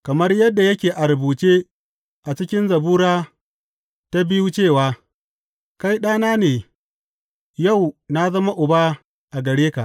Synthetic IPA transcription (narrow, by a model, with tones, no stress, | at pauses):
kɐ˨mɐ˦rjɐ˦dːa˨jɐ˦kʲeː˨ʔa˨ɾʊ˨buː˨t͡ʃeː˦ | ʔa˨t͡ʃɪ˦kʲɪ˦nzɐ˨buː˦ɾaː˦ | ta˦bɪ˦ju˦t͡ʃeː˦˨waː˦ | ka˦jɗaː˦naː˦neː˨ | ja˦˨wna˦zɐ˦ma˦ʔʊ˨ba˦ | ʔa˨ɡɐ˨ɽeː˦ka˨ʔ